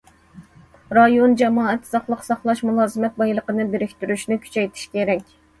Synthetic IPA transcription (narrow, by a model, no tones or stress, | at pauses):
ɾɑjond͡ʒɛmɑːɛt̪sɑχlˠəqsɑχlˠɑʃmulˠɑːzɨmɛt̪̚bɑjlˠəqənɨbeɾɪkʲt̪yɾyʃnɪkʲʰy̥t͡ʃʰɛjt̪ʰi̥ʃkʲʰeɾɛkʲ